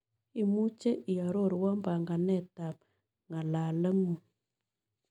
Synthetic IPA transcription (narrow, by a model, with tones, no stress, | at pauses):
i˨mu˦t͡ʃe˦ʔi˨a˨ɾo˦˨ɾwɔ˦mba˨ŋɡa˨nɛ˦˨ta˨p | ŋa˨la˨lə˦ŋu˨